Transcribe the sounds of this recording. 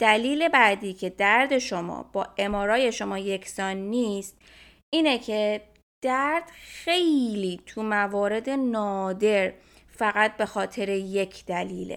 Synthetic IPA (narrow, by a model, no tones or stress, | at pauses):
d̪̥æliːle̞bæd̪iːcʰe̞d̪æɾd̪e̞ʃo̞mɒ̰ːb̥ɒːʔe̞mɒːɾɒːje̞ʃo̞mɒːje̞cʰsɒːnːiːst̪ | ʔiːnecʰe̞ | d̪̥æɾd̪̥xe̞jliːt̪ʰumævɒːɾe̞d̪e̞nɒːd̪e̞ɾ | fæɣæt̪̚be̞xɒːt̪ʰe̞ɾe̞je̞cʰd̪̥ælḭːlḛ